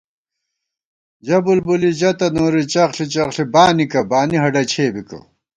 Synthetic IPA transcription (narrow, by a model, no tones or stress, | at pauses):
d͡ʑɐbulbulid͡ʑɐt̪ɐnoːɾit͡ɕɐχɬit͡ɕɐχɬibaːnikɐbaːniɦɐɖɐt͡ɕʰeːbikɐ̰